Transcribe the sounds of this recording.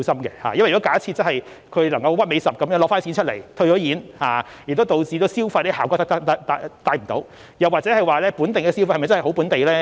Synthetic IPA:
sɐ˥mkɛː˧ha̰ː˨˩jɐ˥nwɔ˦˥kaː˨˥t͡sʰiː˧t̚t͡sɐ˥nhɐ˨j | kʰɵ˨˧ɥlɐ˨˩ŋkɐ˧wwɐ˥t̚me˨˧jsɐ˨p̚kɐ˨mjːŋlɔː˨˧kfaː˥nsʰi˨˥nt͡ʃʰɵ˥t̚le˨˩jt̪ʰɵ˧ɥt͡ʃɔː˨˥jiː˨˥nhaː˨˧ | j̚t̪o˥t̪o˨wt͡siː˨t̪o˧wsiː˥wfɐ˧tne˥aː˨wkɔː˧˥t̪ɐ˥k̚t̪k̚t̪ɐ˥t̪a˧t̪aː˧jm̩˨˩t̪o̰˨˧˥w | jɐ˨wa˨t̚t͡sɛː˨˥hɐ˨jwaː˨lɛː˥puː˨˥nt̪e˨˩ŋkɛː˧si˥fhɐ˨˩m˨jt͡sɐ˥hho˨˥wpuː˨˥nt̪e˨jlɛː˥

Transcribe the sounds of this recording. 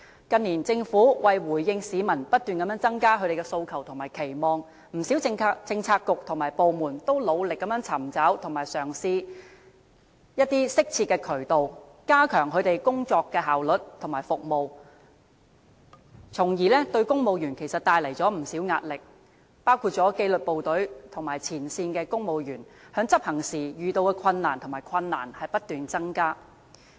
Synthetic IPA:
kɐ˧nːiː˨˩nt͡sɪ˧ŋfuː˨˥wɐ˨jwuː˨˩jːɪ˧ŋsiː˨˧mɐ˨˩npɐ˥t̚t̪yː˨nkɐ˨˧mjœː˨˥t͡sɐ˥ŋkaː˥kʰɵ˨˧jɾe˨jkɛː˧so˧wkʰɐ˨˩wt̪ʰʊ˨˩ŋmaː˨˩jkʰe˨˩jmɔː˨˧ŋ | m̩˨˩si˨˥wt͡sɪ˧ŋ˧t͡sɪ˧ŋt͡sʰaː˧kːʊ˨k̚t̪ʰʊ˨˩ŋmaː˨˩jpo˨˧wmuː˨˩nt̪o˥wlo˨˧wlɪ˨kːɐ˨˥mjœː˨˥ŋt͡sʰɐ˨˩mt͡sɐ˨˥wt̪ʰʊ˨˩ŋmaː˨˩jsœː˨˩ŋsiː˧ | jɐ˥t̚t̪iː˥sɪ˥k̚t͡sʰi˧t̚kːɛː˧kʰɵ˨˩ɥt̪o˨w | kaː˥kʰœː˨˩ŋɦʰɵ˨˧t̪e˨jkʊ˥ŋt͡sɔː˧kːɛː˧ɦaː˨wlɵ˨˩t̚t̪ʰŋmaː˨˩jfʊ˨k̚mo˨˧w | t͡sʰʊ˨˩ŋjiː˨˩lɛː˥t̪ɵ˧ɥkʊ˥ŋmo˨˧wjyː˨˩nkʰe˨˩jsɐ˨t̚t̪aː˧jlɐ˨˩jt͡sɔː˨˥m̩˨˩si˨˥wŋa̰ː˧t̚lɪ˨k̚ | paː˥wkʰuː˧t̚t͡sɔː˨˥ke˧jlɵ˨t̚po˨wt̪ɵ˨˥ɥt̪ʰʊ˨˩maː˨˩jt͡sʰiː˨˩nsiː˧nkɛː˧kʊ˥ŋmo˨˧wjyː˨˩nhœː˨˥ŋt͡sɐ˥p̚hɐ˨˩ŋsiː˨˩jyː˨t̪o˧wkɛ˧kʰɐ˧nːaː˨˩nt̪ʰʊ˨˩ŋmaː˨˩jkʰɐ˧nːa̰ː˨˩nhɐ˨jpɐ˥t̚t̪yː˨nt͡sɐ˥ŋkaː˥

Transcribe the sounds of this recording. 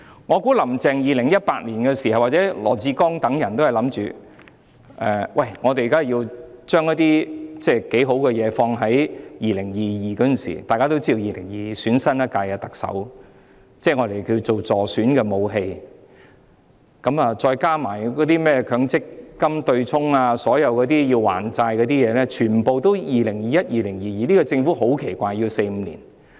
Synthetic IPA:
ŋɔː˨˧ku˨˥lɐ˨˩mt͡sɛː˨ŋjiː˨lɪ˨˩ŋjɐ˥t̚paː˧t̚liː˨˩nkɛː˧siː˨˩hɐ˨wa˨˩t͡sɛː˨˥lɔ̰ː˨˩t͡siː˧kɔː˥ŋt̪ɐ˨˥ŋjɐ˨˩nt̪o˥hjlɐ˨˥mt͡ʃy̰ː˨ | ʔɛː˨˧wʔɐ˧˨˩jŋɔː˨˧t̪e˨jkaː˥˨˩jiː˧wt͡ʃœː˥ŋɔ˨˥t̪iː˥t͡sɛː˥˩ke˨˥jɦo˨˧˥wkɛ˧jɛː˨˧fɔː˧ŋɦɐ˨˥jjiː˨˩lɪ˨˩ŋjiː˨jiː˨˩kɔː˨˧˥ɐ˥nsḭ˨˩t̪aː˨jkaː˥t̪o˥wt͡siː˥d̪o˧wjiː˨˩lɪ˨˩ŋjiː˨˩syː˨˥nsɐ˥nɐ˥kaː˧jkɛ˧t̪ɐ˨k̚sɐ̰˨˥w | t͡sɛː˥˩ŋɔː˨˧ɾe˨˩jkiː˧t͡so˨wt͡sɔː˨˩syː˨˥nkɛː˧mo˨˧wɦe˧j | kɐ˨˧˥mɐ˨t͡sɔː˧jkaː˥maː˨˩jkɔː˨˥t̪iː˥mɛː˥kʰœː˨˧˥ŋt͡sɪ˥k̚ːɐ˥mt̪ɵ˧ɥt͡sʰʊ˥ŋaː˧sɔː˨˥jɐ˨˧wkɔ˨˧t̪iː˥jiː˧wwa̰ː˨˩nt͡saː˧jkɔː˨˧˥t̪iː˥jɛː˨˧lɛː˥t͡ʃʰyː˨˩npo˨wt̪o˥wjiː˨lɪ˨˩ŋjiː˨˧jɐ˥t̚jiː˨˧lɪ˨˩ŋjiː˨jiː˨˧liː˥kɔ˧t͡sɪ˧ŋfu˨˥ɦo˨˥wkʰe˨˩jkʷaː˧jːiː˧wse˧jm̩˨˧lḭː˨˩n

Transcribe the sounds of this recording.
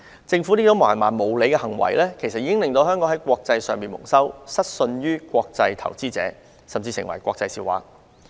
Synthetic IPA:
t͡sɪ˧ŋfu˨˥li˥t̪o˨˧wma̰ː˨˩nmaː˨˩nmo˨˧˩wle˨˧jkɛ˧hɐ˨˩ŋwɐ̰˨˩jlɛː˥kʰe˨˩jsɐt̚iː˧˥kɪ˥ŋlɪ˨˧ŋt̪o˧whœː˥ŋkɔ˨˥ŋɦɐ˨˥jkʷɔː˧k̚t͡sɐ˧jsœː˨˧ŋmiː˨nmʊ̰˨˩ŋsɐ˥wsɐ˥t̚sɵ˧nɥyː˥kʷɔː˧k̚t͡sɐ˧jt̪ʰɐ̰˨˩wt͡siː˥t͡sɛ̰ː˨˥ | sɐ˨mt͡siː˧sɪ̰˨ŋwɐ̰˨˩jkʷɔː˧k̚t͡sɐ˧jsiː˧˩wa̰ː˨k̚

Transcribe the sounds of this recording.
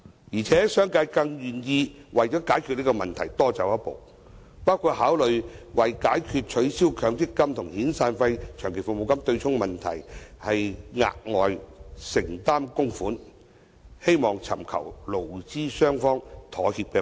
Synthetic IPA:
jiː˨˩t͡sʰɛː˨˥sœː˥ŋkaː˧jkɐ˧ŋjyː˨˩njiː˧ | wɐ˨jt͡ʃɔː˨˥kaː˨˥jkʰy˧t̚li˥kɔ˧mɐ˨nt̪ʰɐ˨˩jt̪ɔː˥t͡sɐ˨wɐ˥t̚po̰˨w | paː˥wkʰuː˧t̚haː˨˥wlɵ˨ɥwɐ˨jkaː˨˥jkʰyː˧t̚t͡ʃʰɵ˨˥ɥsiː˥wkʰœː˨˥ŋt͡sɪ˥kːɐ˥mt̪ʰʊ˨˩ŋhiː˨˥nsaː˧nfɐ˧jt͡ʃʰœː˨˩ŋkʰe˨˩jfʊ˨˧kmo˨˧wkɐ˥mt̪ɵ˧ɥt͡sʰʊ˥ŋmɐ˨nt̪ʰɐ̰˨˩jhɐ˨jŋa̰ː˧t̚ŋɔː˨jsɪ˨˩ŋt̪aː˥mkʊ˥ŋfuː˨˥n | he˥jmɔː˨˩ŋt͡sʰɐ̰˨˩mkʰɐ̰˨˩wlo˨˩wt͡siː˥sœː˥ŋfɔː˥ŋt̪ʰɔː˨˥hiː˧p̚kɛː˧

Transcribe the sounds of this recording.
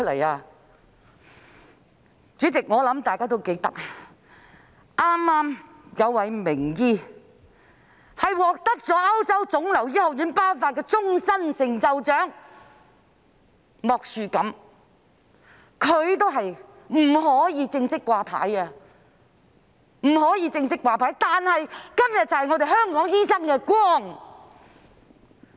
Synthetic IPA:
t̚lɐ̰˨˩jaː˧ | t͡ʃyː˨˥t͡sɪ˨k̚ŋɔː˨˧lɐ˨˥mt̪aː˨jkaː˥t̪̬o˥wke˨˥jt̪ɐ̰˥k̚a˧ | ʔaː˥mːaː˥m | jɐ˨˧wːɐ˨˧jmɪ˨˩ŋjiː˧ | hɐ˨jwɔː˨k̚t̪ɐ˥k̚t͡sɔː˨˥ɐ˥wt͡sɐ˥wt͡sʊ˨˥ŋlɐ˨˩wji˥hʊ˨k̚jyː˨˥npaː˥wfaː˧t̚kɛː˧˥t͡sʊ˥ŋsɐ˥nsɪ˨ŋt͡sɐ˧wt͡ʃœː˨˥ŋ | mɔː˨k̚syː˨kɐ˨˥m | kʰɵ˨˧ɥt̪o˥wɦɐ˨j | m̩˨˩hɔː˨˥jiː˨˧t͡sɪ˧ŋsɪ˥kːʷaː˧pʰa̰ː˨˥jɐ˧ | m̩˨˩hɔː˨˥jiː˧t͡sɪ˧ŋsɪ˥kːwaː˧pʰaː˨˥jt̪aː˨nhɐ˨jkɐ˥mjɐ˨t̚t͡sɐ˨˧whjŋɔː˨˧ɾe˨jhœː˥ŋkɔː˨˥ŋjiː˥sɐ˥ŋkɛː˧kwɔː˥ŋ

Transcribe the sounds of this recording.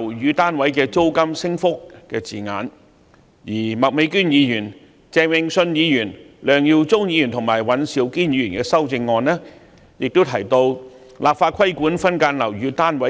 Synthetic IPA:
wjyː˨˧t̪aː˥nwɐ˨˥jkɛː˧t͡so˥wkɐ˥msɪ˥ŋfʊ˥k̚kɛː˧t͡siː˨˩ŋa̰ː˨n | jiː˨˩mɐ˨k̚me˨˧jkyː˥njiː˨˧jyː˨˩n | t͡sɛː˧wɪ˧ŋsɵ˧njiː˨˧jyː˨˩nlœː˨˧ŋjiː˧wt͡sʊ˥ŋjiː˨˧jyː˨˩nt̪ʰʊ˨˩ŋmaː˨˩jwɐ˨˧nsiː˨˥wkiː˥njiː˨˧jyː˨˩nkɛː˧sɐ˥wt͡sɪ˧ŋːɔː˧nlɛː˥ | jɪ˨k̚t̪o˥wt̪ʰɐ˨˩jt̪o˧w | laː˨p̚faː˧t̚kʰɐ˥jkuː˨˥nfɐ˥nkaː˧nlɐ˨˩wjyː˨˧t̪aː˥nwɐ˨˦˥

